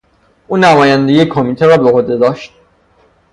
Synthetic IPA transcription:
ʔuːnæmɒːjænd̪eiekʰomiːt̪ʰeɾɒːbeɣod̪ed̪ɒːʃt̪̚

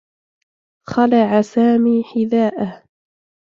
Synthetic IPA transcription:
xɑlaʕasaːmiːħɪðaːʔah

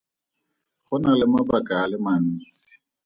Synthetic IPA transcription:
χʊnalɪmabakʼaːlɪmaniːsi̥

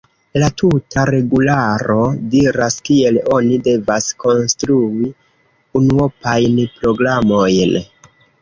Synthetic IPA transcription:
latʰutʰaɾe̞ɡulaɾo̞diɾaskie̞lo̞nide̞vasko̞nstɾui | unuo̞pajnpɾo̞ɡɾamo̞jn

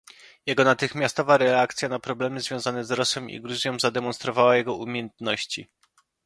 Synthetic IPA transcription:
jɛɡɔnat̪ɘxmʲjast̪ɔvaɾɛakt̪sʲjanapɾɔblɛmɘzvʲjɔ̃zanɛzɾɔsɛmḭɡɾuzʲjɔ̃w̃zad̪ɛmɔnst̪ɾɔvawajɛɡɔumʲjjɛnt̪nɔɕt͡ɕḭ

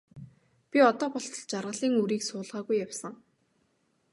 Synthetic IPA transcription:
pʲiɔt̪ɔːpɔɬt̪ɞ̆ɮt͡ɕarʁə̆ɮiːŋuɾiːksʊːɮʁaːɣujːawsə̆ŋ

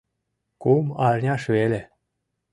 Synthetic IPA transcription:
kumɑlʲnʲɑʃβelʲe

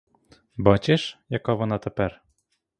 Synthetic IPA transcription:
bɑt͡ɕeʃjɑkɑβɤ̆nɑt̪ɘ̆pæɾ

